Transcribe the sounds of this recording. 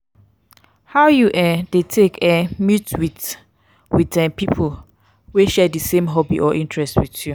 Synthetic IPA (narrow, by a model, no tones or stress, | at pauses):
hawjuʔadetʰekɛmitwit | witɛ̃pipʰol | weʃɛdəsẽmɦɔbḭʔɔʔĩntʰɹɛstwitju